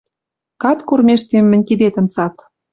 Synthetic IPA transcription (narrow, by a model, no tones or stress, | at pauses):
kɑt̪kormʲeʃt̪emːɘ̆nʲkid̪et̪ə̆mt͡sɑt̪